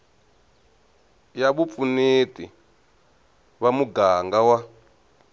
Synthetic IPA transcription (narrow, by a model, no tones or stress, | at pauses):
jaɓup̪funitḭ | βamuɡaŋɡawa